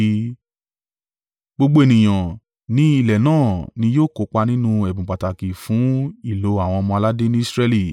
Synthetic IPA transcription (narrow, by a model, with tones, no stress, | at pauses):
ɡ͡bo˧ɡ͡bo˦e˨nĩ˨j̃ã˨ | nĩ˦i˦˨lɛ˨nãː˦˨nĩ˧joː˦˨ko˨k͡pa˧nĩ˦nũ˦ɛ˨bũ˨k͡pa˨ta˨ki˨fũ˨˦i˦˨lo˨˦a˦˨w̃ɔ̃˧mɔ̃˧a˧la˦de˦nĩ˦i˦sɾɛ˧li˨